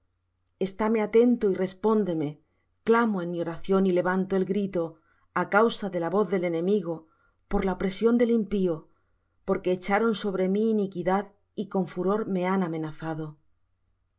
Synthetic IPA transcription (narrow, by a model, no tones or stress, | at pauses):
e̞st̪ame̞at̪e̞nt̪oire̞spo̞nd̪e̞me̞ | klamoe̞nmio̞ɾaθjo̞nile̞β̞ant̪oelɡɾit̪o̞ | akawsaðe̞laβo̞θðe̞le̞nẽ̞miɣ̞o | po̞ɾlaopɾe̞sjo̞nd̪e̞limpio | po̞ɾke̞ːt͡ʃaɾo̞nso̞β̞ɾe̞miːnikiðað | iko̞ɱfuɾo̞ɾme̞anamẽ̞naθaðo